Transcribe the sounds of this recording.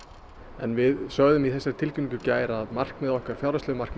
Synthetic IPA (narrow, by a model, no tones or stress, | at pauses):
ɛnvɪðsœɣðʏmiθɛsːɪɾ̥t̪ʰɪlcʏnkʏcaːjɾaðmar̥kmɛðɔhkaɾ̥fjawɾasʏvmar̥k̪